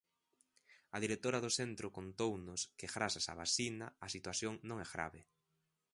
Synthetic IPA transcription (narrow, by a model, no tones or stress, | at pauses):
ɐðiɾet̪oɾɐðʊθent̪ɾʊkont̪ownʊskeɣɾasasa̰βasinaasit̪waθjoŋnõŋɛzɣɾa̰βɪ